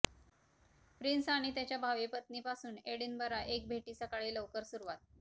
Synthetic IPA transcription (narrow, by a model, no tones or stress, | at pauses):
pɾinsaɽ̃it̪jat͡ɕjabʱaʋipət̪niːpasuːneɽiːnbəɾaʔek̚bʱeʈiːsəkaɭiːləʋkəɾsuɾuʋat̪̚